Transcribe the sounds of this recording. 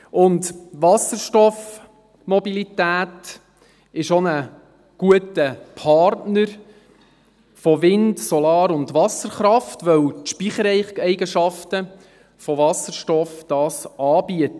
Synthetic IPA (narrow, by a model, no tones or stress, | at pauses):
ʊndʋɑsəɾʃtɔf | mɔbilitæːt | ɪʃonə | ɡ̥uətəpʰɑɾtnəɾ | fɔʋɪndsɔlɑːɾʊndʋɑsəɾχɾɑftʋœwtʃpiχəɾɛɪɛɪɡəʃɑftə | fɔʋɑsəɾʃtɔfd̥ɑːsʔɑːb̥iətə